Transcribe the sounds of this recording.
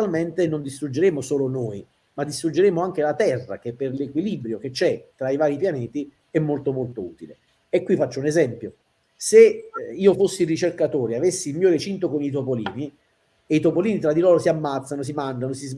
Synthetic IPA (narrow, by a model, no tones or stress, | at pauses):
alment̪enond̪ist̪ɾud͡ʒeɾemosoːlonoːj | mad̪ːist̪ɾud͡ʒːeɾemoaŋk̟elat̪ɛrːa̰k̟epːerlekwilibɾjok̟et͡ʃːɛt̪ɾaivaːɾipjanɛːt̪i | ɛmːolt̪omolt̪oṵːt̪ile | ekːwifat͡ʃːounezɛmpjo | seiːofosːirit͡ʃerkat̪oːɾiavesːiːlmiːoɾet͡ʃint̪okonit̪̬opoliːni | eit̪opoliːnit̪ɾad̪ːilɔːɾosiamːat̪sːanos̬imand͡ʒanosiz